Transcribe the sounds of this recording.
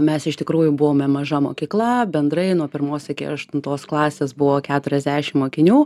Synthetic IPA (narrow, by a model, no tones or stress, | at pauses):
mʲɛsɪʃt̪ʲɪkɾuːjʊbʊʋoːmʲɛmɐʒɐmo̰ːkʲiːklˠɐbʲɛnd̪ɾɐɪnuɔpʲɪɾmoːsʲɐkʲɪ̰ɐʃt̪ʊnt̪oːsklˠɑːsʲeːsbʊʋoːkʲæːt̪ʊɾʲɛzʲd̪ʲæːʃʲɪmmoːkʲɪnʲuː